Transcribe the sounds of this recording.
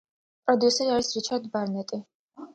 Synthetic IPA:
pʼɾɔd̪iusɛɾiaɾisɾit͡ʃʰaɾd̪baɾnɛt̪ʼi

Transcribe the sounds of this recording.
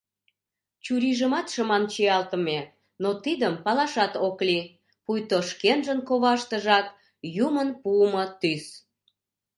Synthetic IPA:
t͡ɕuɾiʒəmɑt̪ʃəmɑnt͡ɕiɑlt̪əme | not̪id̪əmpɑlɑʃɑt̪okli | pujt̪oʃkenʒənkoβɑʃt̪əʒɑt̪ | jumənpuəmət̪ys

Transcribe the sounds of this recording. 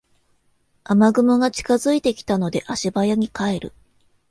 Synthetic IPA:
amaɡɯ̟moɡat͡ɕi̥kazɨit̪e̞kʲi̥t̪ano̞d̪e̞ʔaɕibajaɲ̟ikae̞ɾɯ̰

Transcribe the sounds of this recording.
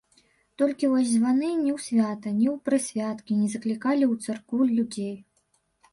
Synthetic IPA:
t̪ɔlʲkʲivɔsʲzvanɨnʲɛwsʲvʲat̪ɐnʲɛwpɾɨsʲvʲat̪kʲinʲɛzɐklʲikalʲiwt̪sarkulʲud͡zʲej

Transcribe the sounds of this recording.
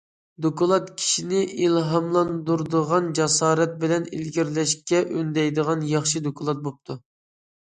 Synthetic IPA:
d̪okʰolˠɑt̪kʲʰi̥ʃinɪilɦɑmlˠɑnd̪uɾd̪əʁɑnd͡ʒɑsɑːɾɛt̪̚bɪlɛnḭlɡʲiɾlɛʃkʲɛʔønd̪ɛjd̪əʁɑnjɑχʃid̪okʰolˠɑt̪̚bop̚t̪ʰu

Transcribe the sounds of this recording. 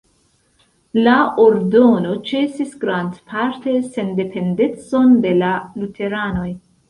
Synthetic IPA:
laoɾdo̞no̞t͡ʃe̞sisɡɾandpʰaɾte̞se̞nde̞pʰe̞nde̞t͡so̞nde̞lalutʰe̞ɾano̞j

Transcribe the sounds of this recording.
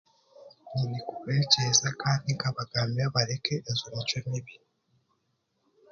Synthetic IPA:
ɲinikuβecezakaːndiŋkaβaɡaːmiaβaɾekeʔːzuɾet͡ʃomiβi

